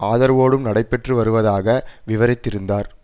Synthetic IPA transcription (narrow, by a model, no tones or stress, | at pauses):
ʔaːðɐɾʋoːɽɯmnɐɽɐɪpːɛʈrɯʋɐɾɯʋɐðaːɣɐʋɪʋɐɾɪt̪ːɪɾɯnd̪aːɾ